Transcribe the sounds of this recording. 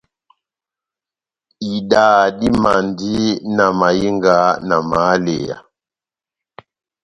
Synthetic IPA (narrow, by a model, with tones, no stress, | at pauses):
i˨daː˨di˦ma˨ndi˦na˨ma˨ji˦ŋɡa˨˦na˨ma˨˦lḛ˨ja̰˨